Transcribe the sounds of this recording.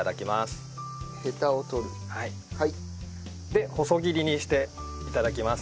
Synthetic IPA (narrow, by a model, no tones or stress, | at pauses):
ad̪akʲimasɨ̥he̞t̪aot̪o̞ɾɯ̟hai | hai | d̪e̞ho̞so̞ɡʲiɾʲiɲ̟iɕi̥t̪e̞ | it̪ad̪akʲimas